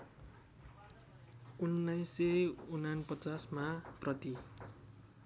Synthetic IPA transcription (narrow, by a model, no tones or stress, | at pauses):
unːʌjseunanpʌt͡sasmaprʌt̪i